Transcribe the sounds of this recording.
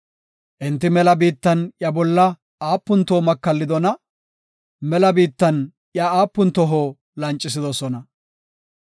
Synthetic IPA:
ʔɪnt̪ːɪmɛlɐbiːt̪ːɐnʔjɐbɔlːɐ | aːpːʊnt̪oːmɐkːɐlːɪd̪ɔnɐ | mɛlɐbiːt̪ːɐn | ʔjɐaːpːʊnt̪ɔɦoː | lɐnt͡ʃʼːɪs̬ɪd̪ɔsɔnɐ

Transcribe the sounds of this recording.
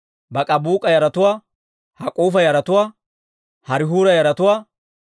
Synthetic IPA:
bɐkʼɐbuːkʼɐjɐɾɐt̪ʊwaː | hɐkʼuːfɐjɐɾɐt̪ʊwaː | hɐɾɪɦuːɾɐjɐɾɐt̪ʊwaː

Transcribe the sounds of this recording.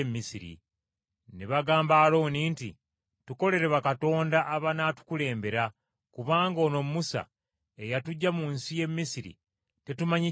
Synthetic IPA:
mːisiɾḭ | neβaɡaːmbaːlo̞ːnintḭ | tuko̞le̞ɾeβakato̞ːndaʔːβanaːtu̥kule̞ːmbe̞ɾa | kuβaːŋɡo̞ːno̞mumusa̰ | e̞jatuɟːamunsije̞mːisiɾḭ | te̞tumaɲi

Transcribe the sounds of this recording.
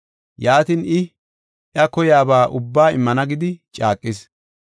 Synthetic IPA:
jaːt̪inɪ | ʔɐkɔjaːbaːʔʊbːaːɪmːɐnɐɡɪd̪ɪt͡ʃʼaːkʼːɪs

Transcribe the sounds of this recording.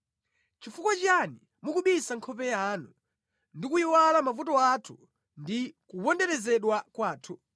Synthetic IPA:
t͡ʃifukɔt͡ʃani | mukuɓisaŋkʰɔpɛjanu | ndikuiwalamavutɔatʰu̥ | ndikupɔndɛɾɛzɛɗwakwaːtʰu

